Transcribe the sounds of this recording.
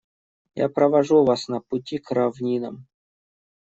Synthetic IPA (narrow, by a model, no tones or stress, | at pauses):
ja̰pɾɐvaʐuvasnɐpʊtʲikɾavnʲinə̰m